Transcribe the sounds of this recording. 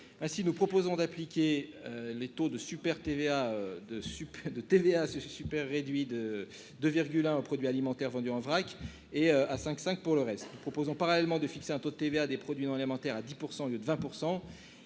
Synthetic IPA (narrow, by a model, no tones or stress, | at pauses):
ɛ̃sinupχɔpozɔ̃d̪aplikʲeølet̪od̪əsypɛʁt̪eveaød̪əsypd̪ət̪eveasəsypɛʁːed̪ɥid̪ə | d̪øviʁɡʲylɛ̃opχɔd̪ɥialimɑ̃t̪ɛʁvɑ̃d̪yɑ̃vʁakʲ | eøasɛ̃ksɛ̃k̚puʁləʁɛst̪nupχɔpozɔ̃paʁalɛlmɑ̃d̪əfikseɛ̃t̪od̪ət̪evead̪epχɔd̪ɥiñalimɑ̃t̪ɛʁad̪ipuʁsɑ̃ljød̪əvɛ̃puʁsɑ̃